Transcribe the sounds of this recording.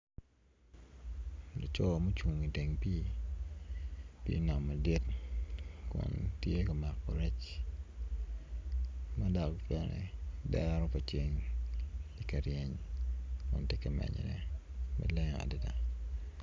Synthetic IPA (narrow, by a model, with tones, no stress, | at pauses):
lo˨t͡ʃɔ˦˨mo˦t͡ʃu˨ŋi˨de˨ŋpi˦ | pḭ˦na˨mːa˨dɪ˦t | kʊ̰˨ntje˦kɐ˨ma˨kpɔ˨ɾɛ˦t͡ʃ | ma˦da˨kpɛ˦nɛ̰˨dɛ˦ɾɔ˦pɐ˨t͡ʃe˦ŋ | i˦kɐ˨ɾje˨ɲ | kʊ̰˨nte˦kɐ˨mɛ̰˨ɲḛ˨nɛ̰˦ | ma̰˨lɛ˦ŋa̰˨di˦da˨